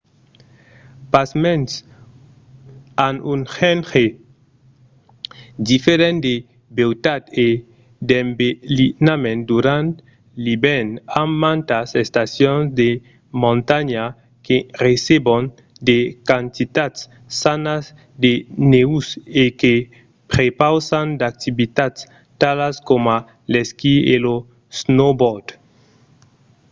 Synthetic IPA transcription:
pasmẽns | anunxenxe | d̪ifeɾẽnd̪e | bewt̪ad̪e | d̪embelinamẽnd̪uɾãnt̪ | libɛnammãnt̪asest̪asjõnzd̪e | mõnt̪aɲa | keresebon | d̪ekant̪it̪at̪sː | anaz | d̪eneuseke | pɾepawsand̪ak̚t̪ibit̪at̪s | t̪alaskoma | leskielo | snobɔɾd̪̥

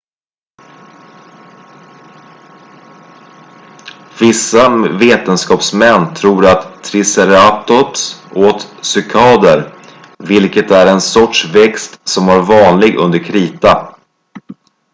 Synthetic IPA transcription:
vɪsːaveːt̪ənskɑːpsmɛnːt̪ʰɾuːɾat̪ʰːɾɪsɛɾat̪ɔpsʔoːt̪sʏkʰɑːd̪əɾ | vɪlkət̪æɾɛnsɔʈʂvɛkst̪sɔmaɾvɑːnlɪɡɵ̰nd̪əɾkʰɾiːt̪a

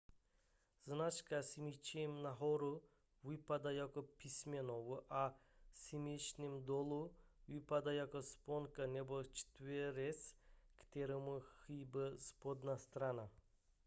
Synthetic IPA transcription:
znat͡ʃkasimit͡ʃemnaɦɔɾu | vipad̪ajakɔpisʲmʲɛnɔʋuʔasimit͡ʃnʲimd̪ɔlˠuvipad̪ajakɔspɔnkanɛbɔt͡ʃt̪veɾeskt̪ɛɾomuxibəspɔd̪nast̪ɾana

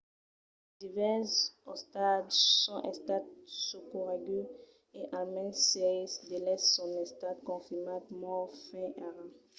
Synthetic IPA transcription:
d̪ivɛsɔst̪ad̪sɔ̃ʔɛ̃st̪ad̪̚sukuʁaɡy | eʔãlmɛ̃nseisd̪elɛsːɔ̃nɛ̃st̪ad̪kɔ̃fimad̪mɔfɛ̃ʔaʁã

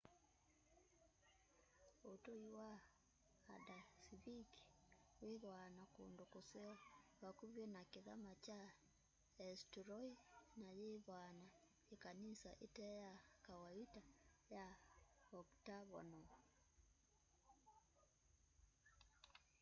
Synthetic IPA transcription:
otoiwaː | dasiβiki̥weðwanakondokosɛɔβakuβjɔnakeða̰mat͡ʃa | ɛstuɾɔinajeβwana | ekanisaʔetɛjakawaitaja | ɔktaβɔ̰nɔ

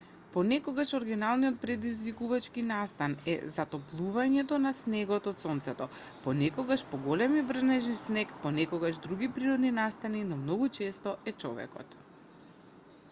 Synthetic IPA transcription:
pɔnɛkɔɡaʃɔɾɡinalˠniɔt̪̚pɾɛd̪izvikuvat͡ʃkinast̪anɛ̰zat̪ɔplˠuvaɲɛt̪ɔnasnɛɡɔt̪ɔt̪sɔnt̪sɛt̪ɔpɔnɛkɔɡaʃpɔɡɔlɛmivr̩znɛʒnisnɛkpɔnɛkɔɡaʒd̪ɾuɡipɾiɾɔd̪ninast̪aninɔmnɔɡut͡ʃɛst̪ɔɛt͡ʃɔvɛ̰kɔ̰t̪

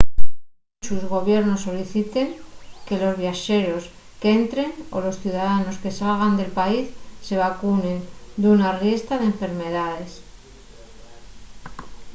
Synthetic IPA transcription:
suzɣo̞βjeɾno̞sːo̞liθit̪e̞ŋke̞lo̞zβjaʃe̞ɾo̞s | keent̪ɾe̞ŋo̞̰lo̞sθjuðaðano̞ske̞salɣ̞and̪e̞lpaisːe̞β̞akune̞nd̪unarje̞st̪að̞eɱfe̞ɾme̞ðaðe̞s

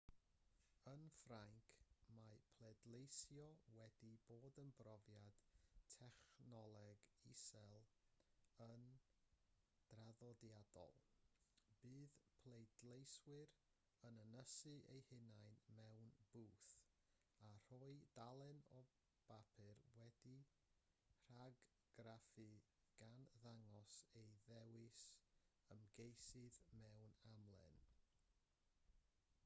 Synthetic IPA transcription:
ənfraŋkʰmapʰlˠɛdlˠejsjɔwɛdiboːdənbrɔvjad̥tʰɛχnɔlˠɛɡisɛlˠ | ən | d̥raðɔdjad̥ɔ̰lˠ | b̥ɨːðpʰlˠejdlejswɨɾ | ənənəsɨʔejhɪnajnmɛwnb̥uːθ | ar̥ɔɨdalˠɛnɔ | b̥apʰɨrwɛdi | r̥aɡ | ɡ̥rafɨ | ɡ̥anðaŋɔsejðɛwɪs | əmɡejsɨðmɛwnamlˠɛ̰n

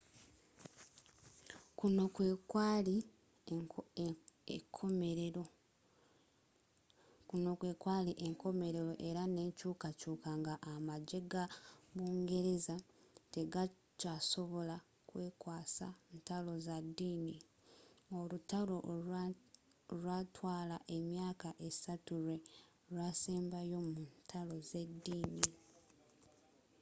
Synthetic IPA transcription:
kunokwekwali | ekʰomeɾeɾo | kuno̞kwe̞ːkwaːliʔeŋko̞me̞ɾe̞ɾo̞ʔe̞ɾane̞ɲcuːkacuːkaŋɡaʔːmaɟe̞ɡaβuːŋɡe̞ɾe̞za | te̞ɡa | caso̞βo̞la | kwe̞ːkwaːsantalo̞zadːiːni | olutalo̞ | ɾwatwaːlaʔe̞mjaːkaʔe̞satuɾwe | ɾwaseːmbajo̞muntʰalo̞ze̞dːiːni

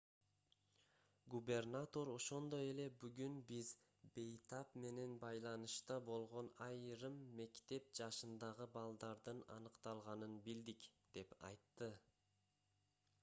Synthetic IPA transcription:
ɡube̞rnat̪o̞ɾo̞ʃo̞nd̪o̞je̞le̞byɡynbiz | be̞jt̪apme̞ne̞nbɑjlˠɑnɯʃt̪ɑbo̞lˠʁo̞nɑjɾɯmːe̞kt̪e̞p̚d͡ʒɑʃɯnd̪ɑʁɯbɑlˠd̪ɑɾd̪ɯnɑ̰nɯqt̪ɑlˠʁɑnɯnbild̪ikd̪̥e̞pɑ̰jt̪ːɯ

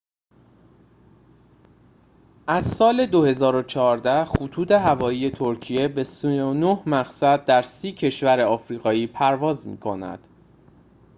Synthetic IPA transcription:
ʔæzsɒːle̞d̪ohe̞zɒːɾo̞t͡ʃʰɒːɾd̪æxut̪ʰuːd̪e̞ɦævɒːiːje̞t̪ʰo̞ɾcʰije̞be̞sionohmæɣsæd̪̚ːæɾsiːcʰe̞ʃvæɾeɒːfɾiːɣɒːiːpʰæɾvɒːzmḭːkʰo̞næ̰d̪̥

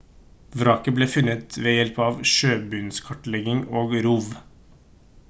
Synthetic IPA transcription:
ʋɾɑːkəbleːfʉnət̪ʋeːjɛlpɑːʋʃøːbʉːnskʰɑʈlɛɡɪŋoːɡɾuːʋ

